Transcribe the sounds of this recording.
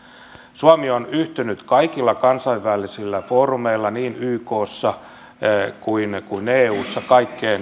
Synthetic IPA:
suɑmionyht̪ynyt̪kɑikilːɑkɑnsɑiʋʋælisilːæfoːrumeilːɑniːnyːkoːsːɑ | kuinkuineːuːsːɑkɑikːeːn

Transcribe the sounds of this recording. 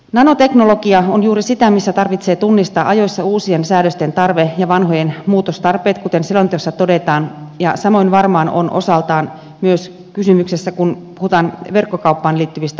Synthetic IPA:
nɑnot̪e̞knolokiɑonjuːɾisit̪æmisːæt̪ɑrʋit̪seːt̪unːist̪ɑːʔɑjo̞jsːɑuːsiensæːdøst̪ent̪ɑrʋejɑʋɑnɦojenmuːt̪ost̪ɑrpeːt̪kut̪ensilont̪osːɑt̪odet̪ɑːnjɑsɑmo̞inʋɑrmɑːno̰nʔo̰sɑlt̪ɑːn | myøs | kysymyksesːækunpuhut̪ɑːnʋerkːokɑupːɑːnliːt̪ːyʋist̪æ

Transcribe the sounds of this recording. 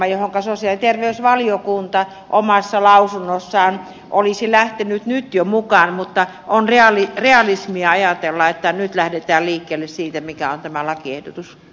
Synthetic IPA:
ɑjohoŋkɑsosiɑlit̪erʋeysʋɑlijokunt̪ɑ | ʔomɑsːɑlɑusunːosːɑːn | ʔolisilæht̪enyt̪nyt̪jomukɑnmut̪ːɑ | ʔonreɑlireɑlismiɑɑjɑt̪elːɑet̪ːænyt̪læhdet̪æːlliːkːeːlːessiːt̪æmikæont̪æmælɑkiehdot̪us

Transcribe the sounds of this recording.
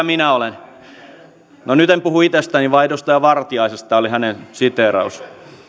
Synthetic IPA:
minæolen | nonyt̪empuhuit̪est̪æːniʋɑidost̪ɑjɑʋɑrt̪iɑisest̪ɑolihænensit̪eˑɾɑ̰us

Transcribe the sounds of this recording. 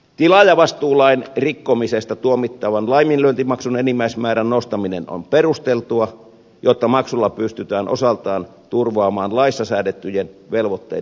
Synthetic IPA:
t̪ilɑjɑʋɑst̪uːlɑinrikːomisest̪ɑt̪uomit̪ːɑʋɑnlɑiminlønt̪imɑksunenimːæismæːɾænnost̪ɑmineno̰mperust̪elt̪uɑ | jot̪ːɑmɑksulːɑpyst̪yt̪æːnʔo̰sɑlt̪ɑːn | t̪urʋɑːmɑːnlɑisːɑsæːdet̪ːyjenʋelʋot̪ːḛ

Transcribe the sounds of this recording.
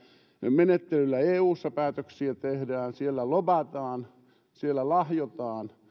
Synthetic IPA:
menet̪ːelylːæeːuːsːɑpæːt̪øksiæt̪ehdæːnsielːælobɑt̪ɑːn | sielːˑælɑhjot̪ɑːn

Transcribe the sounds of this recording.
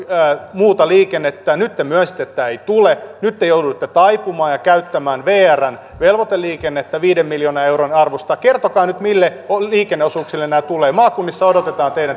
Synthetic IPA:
muːt̪ɑliːkenːet̪ːænyt̪ːemyøsi̥t̪ːet̪ːæeit̪ulenyt̪ːejoudut̪ːet̪ɑipumɑːjɑkæyt̪ːæmæːnʋeːæræn | ʋelʋot̪elːiːkenːet̪ːæʋiːdemːiljoːnɑeuronɑrʋost̪ɑkert̪okɑːnyt̪milːeoliːkenːeosuːksilːennæːt̪uleːmɑːkunːisːɑodot̪et̪ɑːnt̪eiɾæn

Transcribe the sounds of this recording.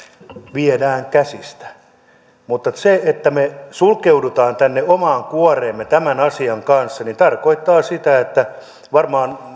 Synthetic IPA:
ʋiedæːŋkæsist̪æ̥ | mut̪ːɑseet̪ːæmesulkeudut̪ɑːnt̪ænːeomɑːŋkuɑreːmːet̪æmænɑsiɑŋkɑnsːɑnint̪ɑrkoit̪ːɑːsit̪æet̪ːæ | ʋɑrmɑːn

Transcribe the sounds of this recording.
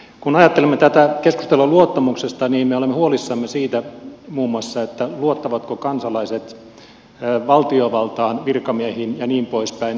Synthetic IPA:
kunɑjɑt̪ːelemːet̪æt̪ækesku̥st̪elːoluot̪ːɑmuksest̪ɑniːmmeolemːehuolisːɑmːesiːt̪æmuːmuɑsːɑet̪ːæluot̪ːɑʋɑt̪kokɑnsɑlɑiset̪ː | ʋɑlt̪ioʋɑlt̪ɑːnʋirkɑmiæhiːnjɑniːmpoispæin

